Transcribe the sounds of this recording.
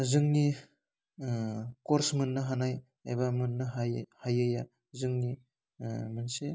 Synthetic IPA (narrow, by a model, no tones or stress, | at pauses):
zɯŋni | koɾsmɯnːɯɦanaj | a̰jbamɯnːɯɦhajɯja | zɯŋni | mɯnse